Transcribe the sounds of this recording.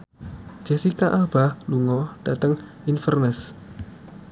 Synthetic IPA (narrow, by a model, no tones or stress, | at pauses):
d͡ʒ̥ɛsikaʔalb̥aluŋɔd̥at̪əŋ | infərnəs